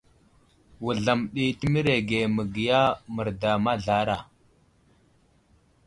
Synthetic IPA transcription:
wu˨ɮa˨mɗi˨tə˦mi˦ɾe˨ɡe˨mə˨ɡi˨ja˦mə˨ɾda˨ma˦ɮa˦ɾa˨

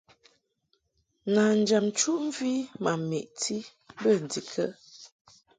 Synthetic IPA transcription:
na˨n̩˨d͡ʒa˨mt͡ʃu˦ʔm̩˦vi˦ma˨me˨ʔtʰi˦ | bə˦˨n̩˨di˨kʰə̰˦

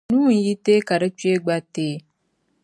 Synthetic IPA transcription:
nũ˦n̩˨˦ji˦te˦ka˨ɾə˦t͡ʃi˦e˦ɡ͡ba˦teː˦

